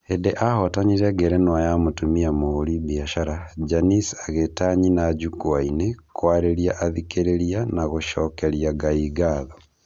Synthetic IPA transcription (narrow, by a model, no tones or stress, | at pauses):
edeʔahɔtaɲiɾɛɡɛɾenwajamotumiamoːɾiβiaʃaɾad͡ʒanisaɣetaɲinaɟukwainekwaɾeɾiaʔaðikeɾeɾianaɣoʃɔkeɾjaɡaiɡaðɔ